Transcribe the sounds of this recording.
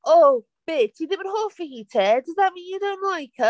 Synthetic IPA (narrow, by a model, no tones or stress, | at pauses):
o | b̥ɪtʰjəðɪvə̃nɦɔːfəhitʰɛdəzðaʔ̚mĩːnjədõʊ̃nʔlaɪkʰə